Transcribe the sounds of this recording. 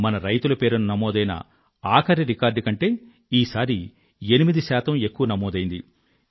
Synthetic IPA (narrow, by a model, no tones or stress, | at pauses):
mɐnɐɾɐjt̪ulɐpe̞ːɾununɐmɔːd̪ɐjnɐ̰ | aːkʰɐɾiɾikaːɾɖkɐɳʈe̞ː | iːsaːɾi | e̞nimid̪isaːt̪ɐme̞kːuʋɐnɐmɔːd̪ɐjind̪i